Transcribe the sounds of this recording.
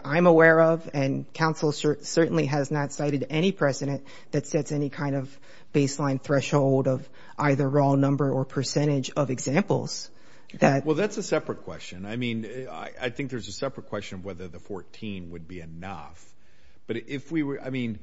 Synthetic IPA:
ʔãɪ̃məwɛɹʌvɨ̃nkʰãʊ̃nsl̩ˠsə˞sɜ˞ʔn̩liɨznətsaɪɾɨɾɛɾ̃ipʰɹ̥ɛzɨɾɨ̃n | ðɨtsɛtsɛnikʰãɪ̃ndʌv | b̥eɪslãɪ̃nθɹɛʃhoʊlˠdʌv | ʔaɪðə˞ɹɔlˠnʌ̃mbə˞ə˞pʰə˞sɛ̃ɾ̃ɪd͡ʒʌvɨɡzæ̃mpl̩ˠz̥ | ðɨt̚wɛlˠðætsɨsɛpɹɨt̚kʰw̥ɛ̰st͡ʃɨ̃naɪmĩna̰ɪʔa̰ɪθɪ̃ŋk̚ðə˞zɨsɛpɹɨt̚kʰw̥ɛst͡ʃɨ̃nʌvwɛðə˞ðɨfɔɹtʰĩnwɨd̚biɨnʌ̰f | b̥ʌɾɪfwiwə˞a̰ɪmĩn

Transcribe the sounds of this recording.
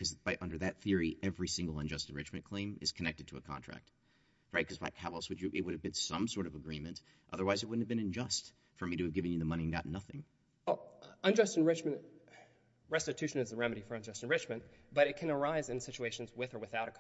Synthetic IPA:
kʰʌzb̥aɪʔʌ̃ndə˞ðɨt̪̚θɪɹiʔɛvɹisɪ̃ŋɡl̩ˠə̃nd͡ʒʌstɨ̃n̩ɹɪt͡ʃmɨ̃nkʰl̥ẽɪ̃mɨ̰z̥kʰɨnɛk̚tɨd̚tʰəːkʰɑ̰̃ntɹ̥æ̰k̚t̚ | ɹaɪt̚kʰʌzba̰ɪkʰæbl̩ˠswɨd͡ʒɨʔɨ̰t̚wʊɾɨvbɨ̃nsʌ̃msɔɹɾʌvəɡɹĩmɨ̃nt | ʔʌðə˞waɪzɨt̚wʊdⁿn̩hɨvbɨ̃ñɨ̃nd͡ʒʌst | fə˞miɾɨɨvɡɪvɨ̃njɨðəmʌɾ̃iɨ̃nɡɑ̰tⁿnʌθɪ̃ŋ | ɛlˠə̃nd͡ʒʌstɨ̃nɹɪt͡ʃmɨ̃nt | ɹɛstɨtʰʉʃɨ̃nɨzəɹɛmɨɾifə˞ɨ̃nd͡ʒʌstnɹɪt͡ʃmɨ̃n | b̥ʌɾɨt̚kʰɨ̃nə˞aɪzɨ̃nsɪt͡ʃueɪʃn̩zwɪθə˞wɨθaʊɾɨkʰ

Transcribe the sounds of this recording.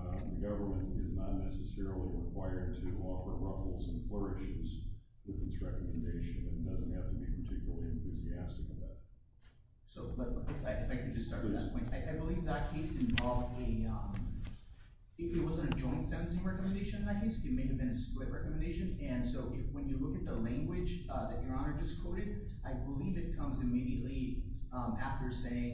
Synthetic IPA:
ðɨɡʌvə˞mɨ̃ntɪznətⁿnɛsɨsɛɹl̩ˠiɹɪkʰw̥aɪə˞d̚tʰɨʔɔfə˞ɹʌfl̩ˠzə̃nflɜ˞ɨʃɪz̥ | wɨðɨ̃nsɹɛkəmɨ̃n̩deɪʃɨ̃nɨ̃ndʌz̃nt̚hæftəbipʰə˞tʰɪkjl̩ˠl̩ˠiɨ̃nθʉziæstɨkəðæ̰t̚ | soʊbʌtɪfaɪʔɨfaɪkʰɨd̚d͡ʒʌstɑɹðɨpʰɔ̃ɪ̃ntaɪʔaɪbəlivðət̚kʰeɪsɨ̃ɱvɑlˠvdɨʌ̃m | ɪʔɪt̚wʌzɨ̃ñtɨd͡ʒɔ̃ɪ̃ntsɛ̃ñɨn̩sɪ̃ŋɹɛkmɨ̃ndeɪʃɨ̃ñn̩ðɨt̚kʰeɪsɨt̚meɪɨvbɨ̃nɨsplɪʔ̚ɹɛkəmɨ̃ndeɪʃɨ̃nɨ̃nsoʊʔɪfwɨ̃njɨlʊkɨt̪̚ðəlæ̃ŋɡwɪd͡ʒ | ʌðɨt͡ʃə˞ɑnə˞d͡ʒʌskʰw̥oʊɾɨɾ | ʔaɪbəlivɨt̚kʰʌ̃mzɨmiɾiɨʔˡliʌ̃mæftə˞seɪɪ̃ŋ

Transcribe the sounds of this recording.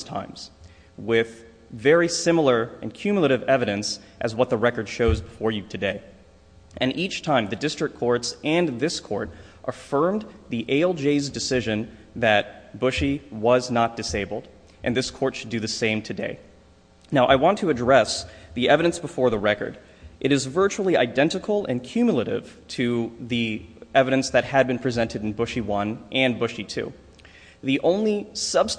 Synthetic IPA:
tʰã̰ɪ̃mz̥ | wɪð̥ | vɛɹisɪ̃ml̩ˠə˞ɨ̃nkʰj̥ʉmjl̩ˠəɾɨvɛvɨɾɨ̃nsʔɨzwʌt̪̚ðəɹɛkə˞d̥ʃoʊzbəfɔɹjɨɾʰɨdeɪ | ʔɨ̃nʔit͡ʃtʰãɪ̃mðɨdɪstɹ̥ɨk̚ʰɔɹtsɨ̃nðɪskʰɔ̰ɹɾ | ʔəfɜ̃˞mðiʔeɪɛlˠd͡ʒeɪzdɨsɪʒɨ̃n | ðɨt̚b̥ʊʃiwʌznət̚d̥ɨseɪbl̩ˠd | ʔɨ̃nðɪskʰɔɹtʃɨdɨðɨsẽɪ̃mtʰɨdḛɪ | naʊʔaɪwɑ̃ntʰɨɨdɹɛsðiɛvɨɾɨ̃nsb̥əfɔɹðəɹɛkə̰˞ɾ | ʔɨɾɨzvɜ˞t͡ʃul̩ˠiaɪdɛ̃ntɨkʰl̩ˠɨ̰̃nkʰj̥ʉmjl̩ˠəɾɪ̰v̥tʰɨðiɛvɨɾɨ̃nsðɨt̚hɨd̚bɨ̃npʰɹ̥izɛ̃ntɨɾ̃n̩bʊʃiwʌ̃nʔɨ̃nbʊʃitʰʉ̰ | ðiʔõʊ̃nlisʌb̥s

